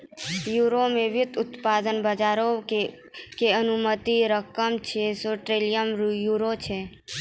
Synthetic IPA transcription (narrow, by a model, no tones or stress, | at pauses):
juɾomeʋjʊt̪ʊt̪pad̪ənbəd͡ʒaɾo | keənumət̪iɾəkəmt͡ʃʰesoʈɾelijəmɾjuɾot͡ʃʰe